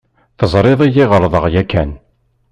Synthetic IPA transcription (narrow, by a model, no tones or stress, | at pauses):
θəzˤɾˤɪðˤijɪʁəɾˤðˤəʁjækːæn